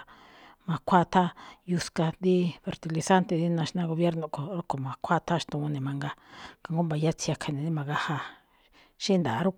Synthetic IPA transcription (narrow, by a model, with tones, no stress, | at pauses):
mã˧˨kʷʰa˦t̪ʰa˦ju˧ska˧nd̪i˦fe˨ɾt̪i˧li˧sa˦nt̪e˧ði˦nã˧ʃnã˧ɣo˧βje˦ɾnõ˧˨ko˨ɾo˦ko˨mã˨kʷʰa˦t̪ʰa˦ʃt̪ũ˧nẽ˨mã˧ŋɡa˧ka˨˧ŋɡo˦mba˨˧ja˦t͡si˧a˧kʰa˨˧nẽ˨dĩ˦mã˨˧ɣa˦ha˧ | ʃĩ˦nd̪a˨˦ɾu˦